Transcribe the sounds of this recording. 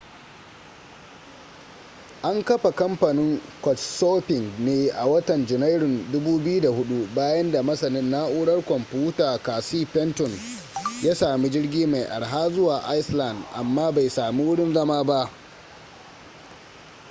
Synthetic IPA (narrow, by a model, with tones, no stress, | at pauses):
ʔa˦ŋkɐ˦ɸa˨kɐ˦mpɐ˨nɪ˦ŋkʷɔ˨tsoː˦pɪ˨ŋɡneː˦ʔa˨wɐ˦tɐ˨nd͡ʒɪ˨na˦jɽʊ˨ndʊ˦buː˦bɪ˦ju˦da˨hʊ˦ɗu˦baː˦jɐ˦nda˨mɐ˦sɐ˨nɪ˦nːaː˦ʔʊː˦ɽɐ˦rkʷɔ˨mpuː˦taː˨kaː˨siː˦pɛ˦ntɔ˨n | jaː˦saː˨mi˦d͡ʒɪ˦rɡʲiː˦ma˨jʔa̰˨ɽɦaː˦zʊ˦waː˨ʔa˦jsla˨ndʔa̰˨mːaː˦ba˨jsaː˨miː˦wʊ˦ɽɪ˦nzɐ˦maː˦ba˦ʔ